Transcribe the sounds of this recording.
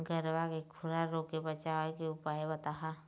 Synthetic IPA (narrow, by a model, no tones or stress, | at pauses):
ɡəɾwakekʰʊɾaɾoːkebɐt͡ʃakeʊpaːebɐt̪aɦa